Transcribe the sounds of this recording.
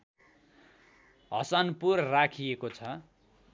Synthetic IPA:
ɦʌ̰sanpurrakʰijekot͡sʰʌ

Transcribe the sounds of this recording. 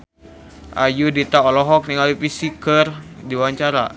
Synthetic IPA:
ʔa̰judit̪aɔlɔɦɔk̚niŋalipisikərdiwaɲt͡ʃaɾa

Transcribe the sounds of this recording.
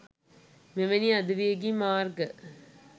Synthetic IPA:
meʋɐniɐd̪ɯʋiɡimaːɾɡɐ

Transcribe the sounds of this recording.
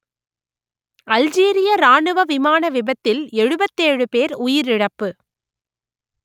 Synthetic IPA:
ɐld͡ʒiːɾɪjɐɾaːɳɯʋɐʋɪmaːnɐʋɪbɐt̪ːɪlɛɻɯbɐt̪ːeːɻɯpeːɾʊjɪɾɪɽɐpːɯ

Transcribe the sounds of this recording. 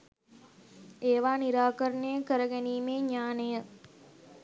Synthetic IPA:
eːʋaːniɾaːkəɾənejəkəɾəɡæniːmeːɲaːnəjə

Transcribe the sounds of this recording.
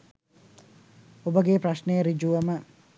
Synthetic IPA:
obəɡepraʃnejəɾid͡ʒuʋəmə

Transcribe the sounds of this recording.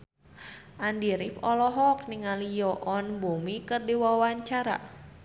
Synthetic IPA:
ʔandiɾifɔlɔɦɔk̚niŋalijɔʔɔnbumikərdiwawaɲt͡ʃaɾa̰

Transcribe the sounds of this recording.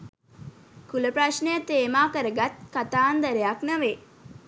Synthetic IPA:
kuləpɾaʃnəjət̪eːmaːkəɾəɡat̪̚kat̪aːnd̪əɾejaknɐʋe

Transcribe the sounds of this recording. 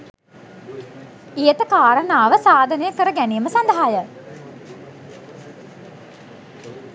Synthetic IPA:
ejət̪əkaːɾənaːʋəsaːd̪ʱənəjəkəɾəɡæniːəməsand̪əɦajə

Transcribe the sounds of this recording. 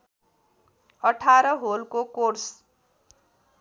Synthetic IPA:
ʌʈʰaɾʌɦolkokors

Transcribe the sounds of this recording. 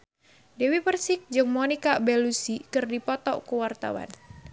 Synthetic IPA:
dewipərsɪk̚d͡ʒɨŋmɔnikabɛlusikɨrdipɔt̪ɔ̰ʔkuwart̪a̰wa̰n

